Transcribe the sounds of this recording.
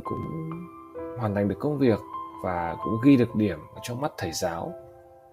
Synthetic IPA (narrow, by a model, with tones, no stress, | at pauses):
kʊ̰˧˥ŋ͡m | ɦwaː˨˩nt̪ʰa˨jŋ̟ɗɨ˨˩əkə˧wŋ͡mvi˨˩ək̚vaː˨˩kʊ̰˧˥ŋ͡mɣi˧ɗɨ˨˩ək̚ɗi˧˩əməː˨˩t͡ɕɔ˧ŋ͡mma˦˥t̚t̪ʰə˧˩jzaː˨˦w